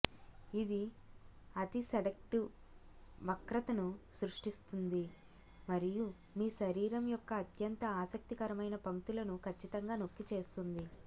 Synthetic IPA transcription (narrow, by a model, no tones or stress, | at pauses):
id̪i | ɐt̪iseɽɐk̚ʈu | ʋɐkɾɐt̪ɐnusɾuʂʈist̪und̪i | mɐɾiju | miːʃɐɾiːɾɐmjɔkːɐːt̪ʰjɐnt̪ɐaːsɐk̚t̪ikɐɾɐmɐjnɐpɐŋt̪ulɐnukʰɐt͡ʃːit̪ɐŋɡaːno̞kːit͡ʃe̞ːst̪und̪i